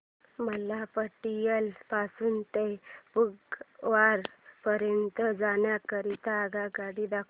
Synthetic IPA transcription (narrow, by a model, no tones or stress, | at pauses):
məlapəʈijəlpasuːnt̪ebuɡʋaɾpəɾjənt̪əd͡zanjakəɾit̪aːɡaɡaɽid̪akʰ